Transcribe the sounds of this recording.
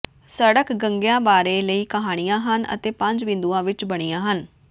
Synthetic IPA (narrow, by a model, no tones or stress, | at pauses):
səɽəkɡəŋɡjãːbaːɾeːləiːkəɦaːɽ̃ijãːɦənə̰t̪eːpə̃ɲd͡ʒʋɪ̃nd̪uːãːʋɪt͡ʃbəɽ̃iːãːɦən